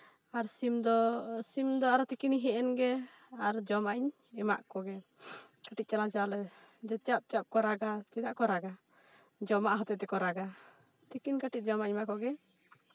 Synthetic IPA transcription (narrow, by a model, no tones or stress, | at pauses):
aɾsimd̪ɔsimd̪ɔaɾɔt̪ikiniɦɛʔɛnɡɛ | aɾd͡ʒɔmaʔiɲ | ɛma̰ʔkɔɡɛ | kaʈic̪̚t͡ʃanat͡ʃalɛd͡ʒɛt͡ʃap̚t͡ʃap̚kɔɾaɡat̪id̪aʔkɔɾaɡa | d͡ʒɔmaʔaɦɔt̪ɛt̪ɛkɔɾaɡa | t̪ikinkaʈic̚ˀd͡ʒɔmaɲmaʔkɔɡɛ